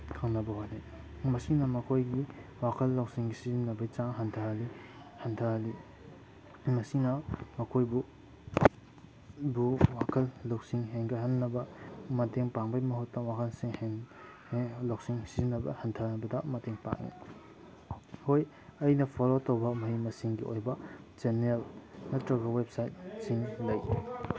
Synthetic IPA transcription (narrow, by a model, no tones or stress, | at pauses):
kʰaŋnɐbɐɦojni | mɐsinɐmɐkʰojɡiwakʰɐlːok̚siŋsizimnɐbɐjt͡ʃaŋɦɐntʰahɐli | hɐntʰɐhali | mɐsinɐmɐkʰojbu | buwakʰɐlːok̚siŋɦeŋɡɐɦanːɐbɐmɐteŋpaŋbɐjmɐɦutːɐwakʰɐlsiŋheŋ | lok̚siŋsizinːɐbɐ̰hɐntʰɐnɐbɐdɐmɐteŋpa̰ŋnḭ | hoj | ɐjnɐpʰolotowbɐmɐhimɐsiŋɡiʔo̰jbɐ | d͡ʒenelnɐtɾɐɡɐwep̚sajt̚siŋlɐj